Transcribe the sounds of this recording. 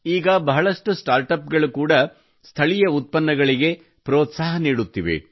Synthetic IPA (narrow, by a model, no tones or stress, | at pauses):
iːɡɐbɐɦɐɭɐʂʈusʈaːɾʈɐp̚ɡɐɭukuːɽɐ | st̪ʰɐɭijɐut̪̚pɐnːɐɡɐɭiɡe̞ | pɾoːt̪saːɦɐniːɽut̪ːiʋḛ